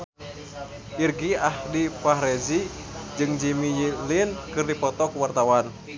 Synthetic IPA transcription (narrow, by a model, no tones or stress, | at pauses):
ʔirɡiahdipaɦɾɛzid͡ʒɨŋd͡ʒimijilinkɨrdipɔt̪ɔkwart̪awan